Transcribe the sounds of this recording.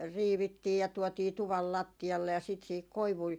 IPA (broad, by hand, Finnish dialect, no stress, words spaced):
riːʋitːiː jɑ tuɔtiː tuʋɑl lɑtːiɑlːe jɑ sit siːhik koiʋui